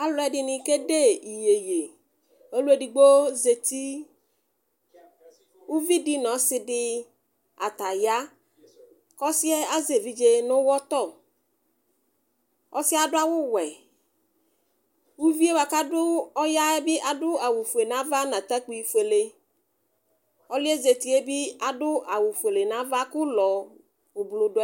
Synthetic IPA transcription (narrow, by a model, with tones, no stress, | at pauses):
a˦lʊ˨˦ɛ˨ɖɪ˨nɪ̃˨ke˦ɖe˦i˨je˨je˨ | o˦lu˦e˦ɖi˨ɡ͡bo˦ze˨t̪i˦ | wʊ˦vi˦dɪ˦nɔ̃˨sɪ˦ɖɪ˦ | a̰˨t̪a˨ja˦ | kɔ˦sɪ˦ɛ˦a˦ze˨vi˦d͡ʒe˦nʊ̃˦wɔ˦t̪ɔ˦˨ | ɔ̰˦sɪ˦a˨ɖʊ˦a˦wʊ˦wɛ˨ | wu˦vi˦e˦wa˨ka˦dʊ˦ɔ˦ja˦ɛ˦bɪ˦ʔa˨dʊ˦a˨wʊ˨fe˨nã˦va˦nã˨t̪a˦k͡pi˨i˨fe˨le˨ | ɔ˦lɪ˦e˦ze˨t̪i˨e˦bɪ˦a˨ɖʊ˦a˨wʊ˨fe˨le˨nã˦va˦kʊ˦lɔ˨ | ʊ˨blʊ˨ɖʊ˦